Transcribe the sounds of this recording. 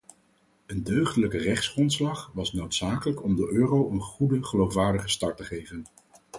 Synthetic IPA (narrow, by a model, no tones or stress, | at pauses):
əndøɥχdələkərɛχtsχrɔntslɑχʋɑsnowtsaːkələkɔmdəʔøːrowənχudəχəlowfʋaːɹdəχəstɑɹtəχejvən